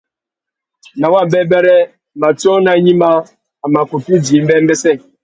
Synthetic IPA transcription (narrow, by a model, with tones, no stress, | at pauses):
na˨wa˦˨bɛ˦bɛ˦ɾɛ˦˨ | ma˨tɔ˦na˨˦ɲi˦ma˦ | a˨ma˨ku˨pi˦di˨˦m̩˦bɛ˦m˦ɛ˦sɛ˦˨